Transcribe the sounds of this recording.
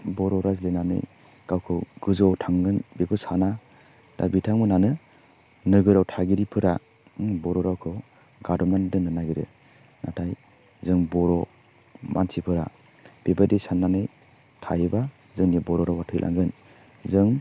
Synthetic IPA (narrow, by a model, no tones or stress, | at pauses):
bɔɾɔɾazlenanɯ̰j | kawkʰɯɡ̥ɯzɔwtʰaŋɡɯnbekʰɔsana | d̥a̰bitʰaŋmɯnanɯ | nɯɡɯɾawtʰaɡiɾipʰɯɾa | bɔɾɔɾawkʰɯ | ɡadɔmandɯnɯnaɡiɾɯ̰ | natʰaj | zɯŋbɔɾɔ | mʔa̰nsʰipʰɯɾa | b̥ebadisanːanɯj | tʰajɯba | zɯŋniabɔɾɔɾawatʰɯjlʔa̰ŋɡɯn | zɯŋ